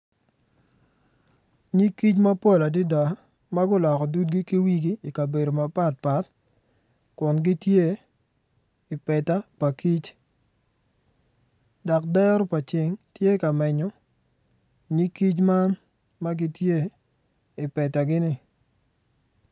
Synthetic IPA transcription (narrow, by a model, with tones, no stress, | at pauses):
ɲi˦kːi˦t͡ʃma˦pɔ˦˨la˨di˦da˨ | ma˦ɡʊ˦lɔ˨kɔ˨du˦t̚ɡi˦ki˦wi˦ɡiː˦˨ka˨be˨do˨ma˨pa˦t̚pa˦t | kʊ˨nɡɪ˦tje˦˨ | ɪ˨pɛ˨ta˦pa˨ki˦t͡ʃ | dɔ˨k̚dɛ˦ɾɔ˦pa˨t͡ʃɪ˨ŋtje˦ka˨mɛ˨ɲɔ˨˦ | ɲi˦kːi˦t͡ʃma˦n | ma˦ɡɪ˦tje˦ | ɪ˨pɛ˨ta˨ɡɪ˦nɪ˦